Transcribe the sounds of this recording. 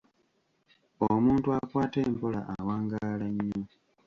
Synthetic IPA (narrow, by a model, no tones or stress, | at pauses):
omuːntuakwaːteːmpo̞la̰ʔawaːŋɡalaɲːo